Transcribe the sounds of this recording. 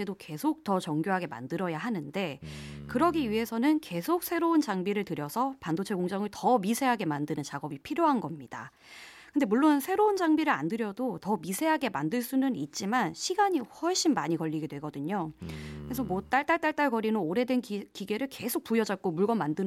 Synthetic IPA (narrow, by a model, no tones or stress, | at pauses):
edoke̞sʰok̚t͈ʌt͡ɕʌŋɡjoɦaɡe̞ma̰ndɯɾʌjaɦanɯnde̞kɯɾʌɡiɥiɦe̞sʰʌnɯnke̞sʰok̚s͈ʰe̞ɾount͡ɕaŋbiɾɯɭtɯɾjʌsʰʌpandot͡ɕʰe̞koŋd͡ʑʌŋɯɭtʌmisʰe̞ɦaɡe̞mandɯnɯnt͡ɕaɡʌbipʰiɾjoɦanɡʌmɲid̥a̰ | kɯnde̞muɭːonsʰe̞ɾound͡ʑaŋbiɾɯɾa̰ndɯɾjʌdotʌmisʰe̞ɦaɡe̞mandɯɭs͈unɯnit̚t͡ɕ͈imanɕʰiɡaɲihʌɭɕ͈imːaɲikʌʎːiɡe̞dwe̞ɡʌdɯɲokɯɾesʰʌmot͈aɭt͈at͈aɭt͈aɭɡʌɾinɯnoɾe̞dwe̞nkiɡe̞ɾɯɭke̞sʰok̚p͈ujʌd͡ʑʌt̚k͈omuɭɡʌmːandɯ